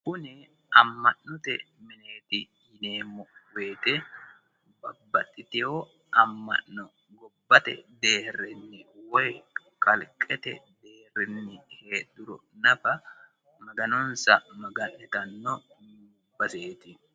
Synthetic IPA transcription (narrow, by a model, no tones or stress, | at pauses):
kʊnɛ | ɐmːɐʔːʊt̪ɛmɪneːt̪ɪ | jɪne̞ːmːɔweːt̪ɛ | bɐbːɐt̪ʼːɪt̪ɪho | ʔɐmːɐ̰ʔːɔ | ɡɔbːɐt̪ɛ̰d̪e̞ːrɛnːɪwɔj | kʼɐlkʼɛt̪ɛ̰d̪e̞ːrɛnːɪheːd̪ʊɾɔ̰nɐfɐ | mɐɡɐnɔnsɐmɐɡɐnːɛt̪ɐnːɔ | bɐseːt̪ɪ